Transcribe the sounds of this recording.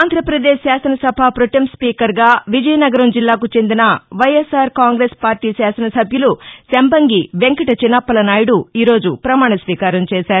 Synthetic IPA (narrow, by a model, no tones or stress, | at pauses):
aːnd̪ʱɾɐpɾɐd̪eːʃsaːsɐnɐsɐbʱaːpɾoʈɐmspiːkɐɾɡaːʋid͡ʒɐjɐnɐɡɐɾɐmd͡ʒilːaːkut͡ʃe̞nd̪inɐʋɐjesaːɾkaːŋɡɾeːspaːɾʈiːsaːsɐnɐsɐbʱjulusembɐŋɡiʋe̞ŋkɐʈɐt͡ʃinɐpːɐlɐnaːjiɽuiːɾo̞ːd͡ʒupɾɐmaːɳ̃ɐsʋiːkaːɾɐmt͡ʃɛːʃaːɾu